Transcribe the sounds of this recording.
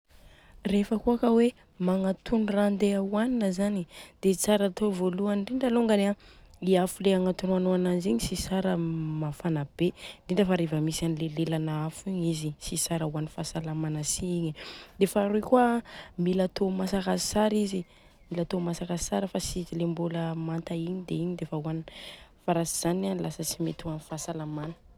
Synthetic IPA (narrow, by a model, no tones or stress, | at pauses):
refəkuakəwe | maŋat̪ʰunrand̪eawaninəzanid̪̥et͡saɾat̪ʰovoluaɳɖ͡ʐiɳɖ͡ʐaloŋɡaneaiafuleaŋat̪unuanoananiziɲisisaɾəmafanab̥eɳɖ͡ʐiɳɖ͡ʐəfaɾevəmisanilelelanaafiɲizisisaɾəuanifasalamanəsiiɲid̪efaɾukwamilat̪omasakasaɾizi | milat̪omasakasaɾəfasizilembuləmant̪aiɲid̪eiɲid̪efauanifaɾasiz̥ananlasət͡simet̪uanifasalamanə̥